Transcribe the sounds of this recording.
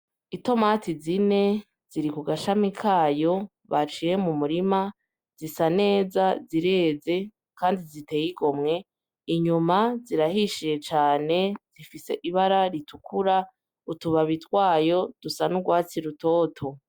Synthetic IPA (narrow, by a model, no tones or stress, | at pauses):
ito̞matizine̞ | z̥iɾikuɡaʃamikʰaːjo̞ | βat͡ʃije̞mumuɾima | z̥isane̞ːzaziɾe̞ːze̞ | kʰaːndizite̞jiɡo̞mŋe̞ | iɲumaziɾaɦiʃije̞t͡ʃaːne̞z̥ifise̞̰ʔiβaɾaɾitukuɾa | utuβaβitwaːjo̞d̥usanuɡwaːt͡siɾuto̞ːtʰo̞